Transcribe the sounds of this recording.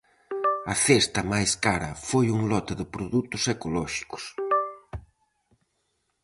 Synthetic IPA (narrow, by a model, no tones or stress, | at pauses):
ɐθest̪ɐmajskaɾɐ̰fojuŋlɔt̪ɪðɪpɾoðut̪ʊsekolɔʃi̥kʊ̥s